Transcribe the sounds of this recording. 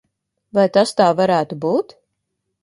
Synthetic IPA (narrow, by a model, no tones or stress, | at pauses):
vajt̪ast̪aːvaɾæːt̪ubuːt̪